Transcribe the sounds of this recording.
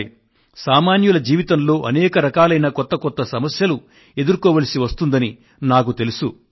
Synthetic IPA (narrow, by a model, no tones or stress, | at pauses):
saːmaːnjulɐd͡ʒiːʋit̪ɐmlo̞ːʔɐnɛːkɐɾɐkaːlɐjnɐkɔt̪ːɐkɔt̪ːɐsɐmɐsjɐlu | e̞d̪uɾkɔːʋɐlɐsiʋɐst̪und̪ɐni | naːkut̪e̞lusu